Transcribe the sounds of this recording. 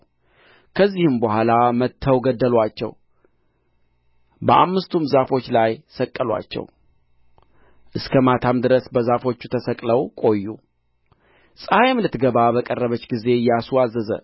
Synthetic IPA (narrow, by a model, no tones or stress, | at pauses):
kʰəzːihɨmbəhʷalamət̪ʰːəwɡəd̪ːəlwat͡ʃːɛ̰w | bəʔa̰mːɨst̪ʰumzafo̞t͡ʃːlajsəkʼːəlwa̰t͡ʃːɛ̰w | ʔɨskʰəmat̪ʰamd̪ɨɾəsbəzafo̞t͡ʃːut̪ʰəsəkʼləwkʼo̞jːṵ | sʼajmlɨt̪ɡəβabəkʼərːəβət͡ʃːɡize̞jasuazːəzə̰